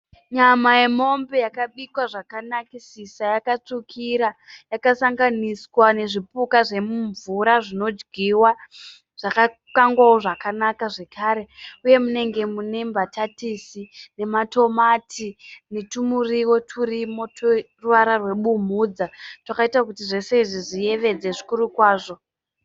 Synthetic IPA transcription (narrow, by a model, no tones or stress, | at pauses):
ɲamajemo̞mbe̞jakaɓikwaʐakanakisisajakat͡ʂukʰiɾajakasaŋɡaniswane̞ʐipukaʐe̞muɱvuɾaʐino̞d͡ʒɡʱiwa | ʐ̥aka | kaŋɡwawoʐakanakaʐe̞kʰaːɾe̞uje̞mune̞ŋɡe̞mune̞mbatʰatisine̞mato̞matʰinetumuriwo̞tʰurimo̞t | ruʋaɾarwe̞ɓum̤uːd͡zatakaitakutiʐe̞se̞iʐiʐije̞ʋe̞d͡ze̞ʐikuɾukwaːʐo̞